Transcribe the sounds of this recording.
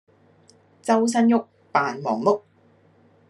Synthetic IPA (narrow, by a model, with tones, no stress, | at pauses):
t͡sɐ˥ws̬ɐ˥njʊ˥k̚ | paː˨nmɔː˨˩ŋmʊ˥k̚